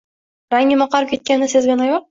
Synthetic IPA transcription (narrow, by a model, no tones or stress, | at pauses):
ɾaŋʲɪmɑqɑɾpkʲʰet̪̚kʲanːɪsezɡʲanajɑ